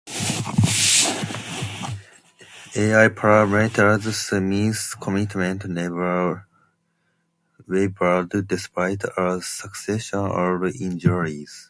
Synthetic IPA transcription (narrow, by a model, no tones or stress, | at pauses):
eajpʰɹamɛtʰəɹzsmiskʰɔmitmɛ̃ntnvə | webə˞ddispaɪtʰaəsəksɛʃɔ̃nɔvĩnd͡ʒuɹiz̥